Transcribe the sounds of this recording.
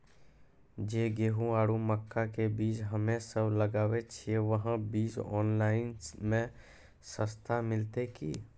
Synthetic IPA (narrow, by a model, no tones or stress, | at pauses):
d͡ʒeːɡeːɦũaːɽuməkʰːakebiːt͡ʃɦəmẽsəbləɡaːʋet͡ʃʰieʋəɦə̃biːd͡ʒɔ̰ːnlaːɪnmẽ | səst̪ʰamɪlt̪eki